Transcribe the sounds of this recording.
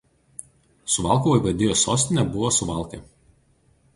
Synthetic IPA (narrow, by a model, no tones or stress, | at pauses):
sʊʋɑˑlˠkoʋoiʋɐd̪ʲeːjoːsoːsʲt̪ʲɪnʲɛbʊʋosʊʋɑˑlˠˑkeːˑ